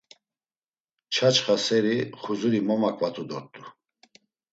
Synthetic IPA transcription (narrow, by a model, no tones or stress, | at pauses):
t͡ʃʰat͡ʃχasɛɾiχuzuɾimɔmakʼvat̪ʰʼud̪ɔt̪ʼːu